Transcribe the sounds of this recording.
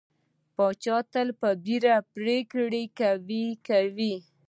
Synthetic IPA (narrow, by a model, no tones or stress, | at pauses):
pɑt͡ʃɑt̪əlpəbiɾapɾekɽikawikawi